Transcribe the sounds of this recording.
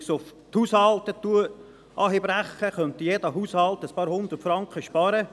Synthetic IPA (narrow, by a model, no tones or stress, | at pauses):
sʊft̪huːshɑlt̪ət̪uə | ʔɑːɦib̥ɾæχːəχœnt̪ijed̥əɦuːshɑlˠt̪əspɑːɾhʊnd̪ərtfɾɑŋkχəʃpɑːɾə